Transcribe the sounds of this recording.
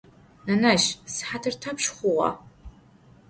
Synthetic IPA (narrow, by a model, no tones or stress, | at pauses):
nɐnaʃsħatʰɨrtʰapʰʂχʷʊʁɑ̰